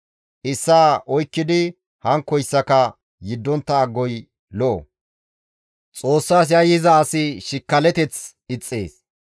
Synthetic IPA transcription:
ʔɪsːaːʔɔjkːɪd̪ɪ | hɐŋkːɔjsːɐkɐ | jɪd̪ːɔnt̪ːɐːɡːɔj | lɔʔɔ̰ | t͡sʼo̞ːsːaːs̬jɐjɪzɐːsɪʃɪkːɐlɛt̪ɛt͡s | ɪt͡sʼːḛːs

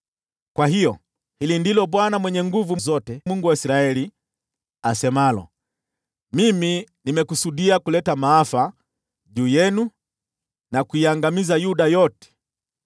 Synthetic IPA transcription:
kwahijɔ | hilindilɔɓwanamwɛɲɛŋɡuvuzɔtɛmuŋɡuwaisɾaɛli | asɛmalɔ̰ | miminimɛkusuɗiakulɛtamaafa | ʄuːjɛnu | nakuiaŋɡamizajuɗajɔtɛ̥

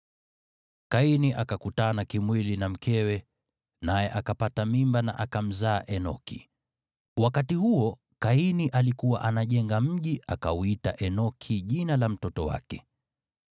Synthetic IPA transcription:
kainiʔakakutanakimwilinam̩kʰɛwɛ | najɛʔakapatamimbana̰ʔakam̩zaːʔɛnɔ̰kʰḭ | wakatihuɔ | kainiʔalikuwaʔanaʄɛŋɡam̩ʄiʔakauitaʔɛnɔkʰiʄinalam̩tɔtɔwa̰kɛ̥

